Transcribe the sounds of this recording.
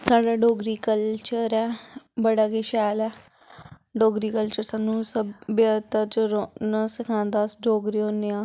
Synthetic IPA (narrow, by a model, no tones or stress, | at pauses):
saːɖaːɖoːɡɾiːkəlt͡ʃəɾɛːbəɽaːɡɪʃɛːlɛː | ɖoːɡɾiːkəlt͡ʃəɾsaːnũːsəbjaːt̪aːt͡ʃɾonãːsɪkʰãːnd̪aːsɖoːɡɾiːɦõːneãː